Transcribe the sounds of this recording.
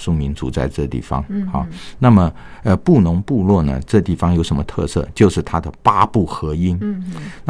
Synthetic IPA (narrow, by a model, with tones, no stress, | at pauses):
ʂu˥˩mi˧˥nt͡su˧˥t͡sa˥˧ɪʈ͡ʂɤ˥˩t̪ḭ˥˩fɑ̰˧˥ŋxɑ˥˩na˥˩mə˩ | ə˧pu˥˩nʊ˧˥ŋpu˥˧lwɔ˥˩nə̰˩ʈ͡ʂɤ˥˧t̪i˥˩fɑ˧ŋjo˧˥ʊʂə˧˥nmə˧t̪ʰɤ̰˥˧sɤ̰˥˧t͡ɕjo˥˧ʊʂɻ̩˥˩t̪ʰa˥d̪ə˨˩pa˥pu˥˩xɤ˧˥i˥nna˥